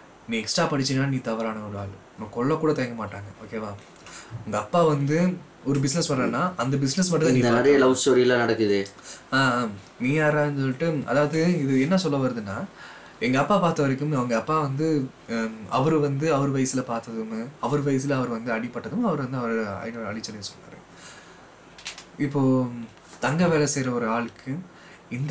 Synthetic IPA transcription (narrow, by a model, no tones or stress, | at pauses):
nĩːɛksʈaːpːɐɽɯt͡ʃːɪnːaːniːt̪ɐʋɐɾaːnɐɔɾɯa̰ːl | nɐ̃kɔɭːɐ̃kuːɽɐt̪ɐjɐŋɡɐmaːʈːaːŋɡɐʔoːkeːʋaː | ɐŋɡɐːpːaːʋɐnd̪ɯ | ɔɾɯbɪsnɛsʋɐɾaːnːaːʔɐnd̪ɐbɪsnɛs̬mɐʈːɐt̪aniːɐnɛɾɐjɐlɐʊsʈoːɾiɪlãːnɐɽɐkːɯðeaː | niːaːɾaːns̬ɔlːɪʈːɯɐ̰ðaːʋɐðɯɪðɯɛnːɐsɔlːɐʋɐɾɐðɯnːaː | ɛŋɡɐːpːaːpaːɾt̪ɐʋɐɾɐkːɯmɐʋɐŋɡɐːpːaːʋɐnd̪ɯ | ɐʋɐɾɯʋɐnd̪ɯɐʋɐɾɯʋɐjsɪlɐpaːɾt̪ɐðɯmɐʋɐɾɯʋɐjs̬ɪlɐʋɐɾɯʋɐnd̪ɯɐɽɪpːɐʈːɐðɯmɐʋɐɾɯʋɐnd̪ɯɐʋɐɾɯɐ̰ɪnɐ̰ɭɪt͡ʃːɐnɪnsɔnːa̰ɾɯ̰̃ | ɪpːoː | t̪ɐŋɡɐʋeːlɐsɛjɾɐɔɾɯaːɭɯkːɯ | ɪnd̪